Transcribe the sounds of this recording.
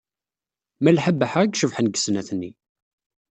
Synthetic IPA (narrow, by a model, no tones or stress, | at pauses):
mælħəbːəħaəɡʃəvħənɡə̥snæθnːi